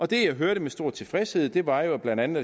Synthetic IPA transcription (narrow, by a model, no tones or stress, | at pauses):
ɒ̽d̥e̝jɑ̈ɪɦøɐɾəmesd̥o̝ɐ̰̥t͡sʰe̝lfʁɛshe̝ð̞̰ˠd̥e̝ʋɑ̈jo̝b̥lænd̥ænð̩ˠ